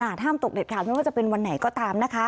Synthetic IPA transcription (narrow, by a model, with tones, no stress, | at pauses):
ʔa˧˩t̪ʰaː˥˩mt̪o˨˩k̚de˨˩kʰaː˨˩ma˥˩waː˥˩t͡ɕa˨˩pe˧nwa˧nːa˩˦jkɔː˥˩t̪aː˧mna˦˥kʰa˦˥